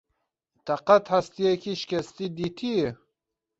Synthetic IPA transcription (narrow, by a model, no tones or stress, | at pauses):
t̪ʰɐqɐt̪hast̪ijekʰiʃkʲʰɛst̪id̪iːt̪ʰije